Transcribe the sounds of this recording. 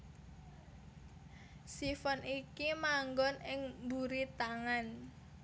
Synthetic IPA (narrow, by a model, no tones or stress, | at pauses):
sifɔnikimaŋɡɔnɪŋmbuɾit̪aŋan